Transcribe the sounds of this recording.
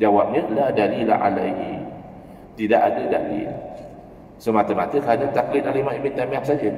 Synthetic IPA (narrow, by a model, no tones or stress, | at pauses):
d͡ʒawap̚ɲəladalila̰ʔa̰laɦi | t̪idaʔadəda̰lḭl | səmat̪əmat̪əkəadant̪aklɪt̪alamaibint̪amĩak̚sad͡ʒə